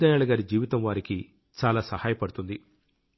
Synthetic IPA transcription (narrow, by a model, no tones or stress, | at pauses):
d̪ɐjaːɭɐɡaːɾid͡ʒiːʋit̪ɐmʋaːɾiki | t͡ʃaːlaːsɐhaːjɐpɐɽut̪und̪i